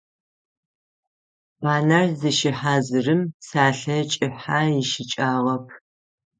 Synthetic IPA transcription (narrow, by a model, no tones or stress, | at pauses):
baːnɐrzɨʃɪħazɨrɨmsaːɬɐt͡ʃʼɪħaːjɪʃɪt͡ʃʼaːʁɐpʰ